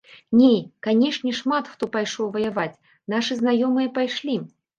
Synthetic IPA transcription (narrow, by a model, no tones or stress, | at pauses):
nʲejkanʲɛʂnʲɛʂmat̪xt̪ɔpajʂɔwvɐjavat͡sʲ | naʂɨznajɔmɨjɐpajʂlʲi